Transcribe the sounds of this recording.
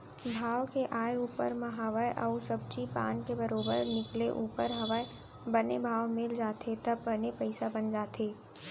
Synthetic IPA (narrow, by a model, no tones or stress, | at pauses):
bʱaːʋkeʔaːeuːpəɾmãɦaʋajʔɐːsəb̚t͡ʃipa̰ːnkebəɾoːbəɾnɪkleʔuːpəɾɦɐʋaj | bənebʱaːʋmɪld͡ʒaːt̪ʰet̪ɐbbənepəɪsabənd͡ʒaːt̪ʰeː